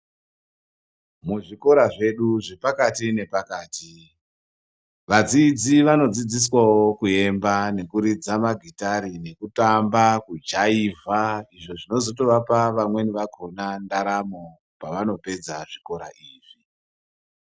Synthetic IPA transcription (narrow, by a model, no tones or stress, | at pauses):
muʐiko̞ɾaʐe̞ɗuʐe̞pakatine̞pakaːti | ʋad͡zid͡ziʋano̞d͡zid͡zis̬wawo̞kue̞mbane̞kuɾid͡zamaɡʱitaɾine̞kutambakud͡ʒaivʱaiʐo̞ʐino̞zo̞to̞ʋapaʋamwe̞niʋaɡʱo̞nandaɾamo | paʋano̞pe̞d͡zaʐiko̞ɾa̰ʔiːʐi